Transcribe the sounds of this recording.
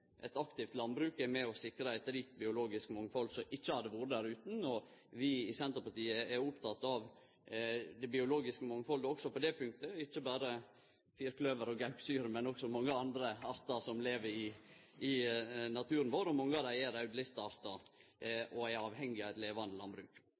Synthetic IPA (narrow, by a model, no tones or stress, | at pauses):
ʔɛt̪ɑkt̪ɪft̪lɑnbɾʉːkɛmɛɔsɪkɾɑæɪt̪ɾiːk̚t̪̚bɪʊloːɡɪskmɔŋːfɔlsɔʔɪt͡ʃːəhɑd̪əʋuːɾəd̪æɾʉːt̪n̩ɔʋɪɪsɛnt̪əɾpɑʈiːəɛɾʊpt̪ʰɑt̪ːɑʋ | d̪ɛbɪʊloːɡɪskəmɔŋːfɔlɡ̪əɔksɔpɔd̪ɛpʰʉŋk̚t̪əɪçːəbæːɾə | fiːɾklœʋəɾɔɡɑʉksyːɾmɛnɔksɔmɔŋːəɑnd̪ɾəɑɾt̪ɑsɔmleːʋəɾɪ | ɪnɑt̪ʰʉːɾənʋoːɾɔmɔŋːɑd̪æɪæɾɑʉd̪lɪst̪ɑɑɾt̪ɑ | ʔɔɛɾɑːʋhɛŋːɪɑʋæɪt̪leːʋɑnd̪əlɑnbɾʉːk